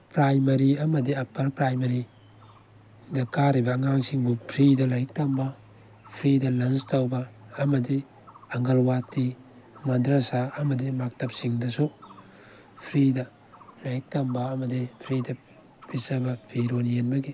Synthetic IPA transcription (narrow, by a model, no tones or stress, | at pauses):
pɾajmɐɾiɐmɐdiɐpɐlpɾajmɐɾi | dɐkaɾibɐːŋaŋsiŋbupʰɾidɐlɐjik̚tɐmbɐ | pʰɾidɐlɐnstawbɐːmɐdi | ɐŋɡɐlwatːi | mɐdɾɐsaɐmɐdimak̚tɐp̚siŋdɐsu | pʰɾidɐ | lɐjik̚tɐmbɐːmɐdipʰɾidɐ | b̥isɐbɐpʰiɾonienbɐɡi